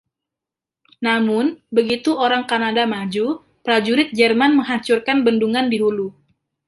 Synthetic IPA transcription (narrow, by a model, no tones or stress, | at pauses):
namʊnbəɡit̪uoɾaŋkanadamad͡ʒu | pɾad͡ʒuɾɪt̪̚d͡ʒɛrmanməŋɦat͡ʃurkanbənduŋandiɦulu